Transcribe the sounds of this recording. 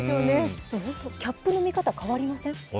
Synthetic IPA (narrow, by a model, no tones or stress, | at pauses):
oːnehõnt̪o̞kʲapːɯ̟nomʲikat̪akaβaɾʲimasẽ̞ŋ